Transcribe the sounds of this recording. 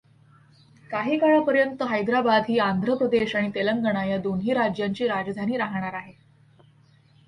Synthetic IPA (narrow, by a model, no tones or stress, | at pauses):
kaɦiːkaɭəpəɾjənt̪əɦajd̪ɾabad̪ɦiːand̪ʱɾəpɾəd̪eɕaɽ̃it̪eləŋɡəɳajad̪onɦiːɾad͡ʑjaɲt͡ɕiːɾad͡ʑd̪ʱaniːɾaɦɳ̃aɾaɦe